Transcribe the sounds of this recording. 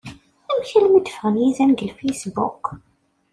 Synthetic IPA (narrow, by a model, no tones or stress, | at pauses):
æmçælmid̪əfəʁəmjizænɡəlfejsbṵk